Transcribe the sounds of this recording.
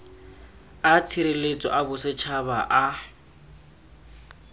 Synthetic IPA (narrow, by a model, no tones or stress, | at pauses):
at͡sʰiɾelet͡sʼɔ̰ʔabʊsɪt͡ʃʰabaʔa